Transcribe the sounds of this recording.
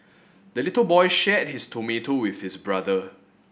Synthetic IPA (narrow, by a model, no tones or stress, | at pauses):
dəlitəlbɔjʃɛt̚histʰometowɪθhisbɹadə